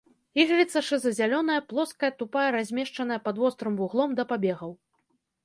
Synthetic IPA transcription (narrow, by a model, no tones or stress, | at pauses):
iɣɾʲit̪sɐʂɨzɐzʲalʲɔnɐjɐplˠɔskɐjɐt̪upajɐɾazʲmʲɛʂt͡ʂɐnɐjɐpad̪wɔst̪ɾɨmvuɣlˠɔmd̪ɐpabʲɛɣɐw